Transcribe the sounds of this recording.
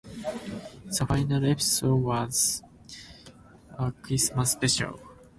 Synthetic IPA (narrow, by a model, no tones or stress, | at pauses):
safajnaɾepi̥sodwaz̥ | akɾismasːpeʃa̰l